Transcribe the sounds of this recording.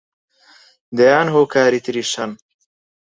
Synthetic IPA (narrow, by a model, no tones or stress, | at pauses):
d̪ejaːnɦoːkaːɾit̪ɾiʃɐn